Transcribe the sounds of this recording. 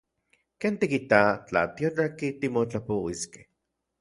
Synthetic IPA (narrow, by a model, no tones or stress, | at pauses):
kent̪ikit̪at͡ɬa̰t̪ioʈ͡ʂakit̪imot͡ɬapowiske̥h